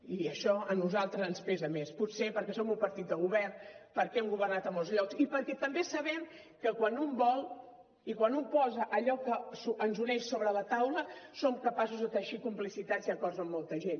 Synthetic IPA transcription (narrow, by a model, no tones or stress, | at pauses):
iəʃɔənuzalˠt̪ɾəzənspɛzəmespusepəɾkɛsomumpəɾt̪it̪d̪əɣuβɛrnpəɾkɛɛmɡuβərnat̪əmolˠzʎɔkzipəɾkɛt̪əmbesəβɛm | kəkwanumbɔlˠ | ikwanumpɔzəʔəʎɔkəsuənzunɛʃsoβɾələt̪awləsomkəpas̬uzðət̪əʃikumplisit̪at̪siəkɔɾzəmːɔlˠt̪əʒen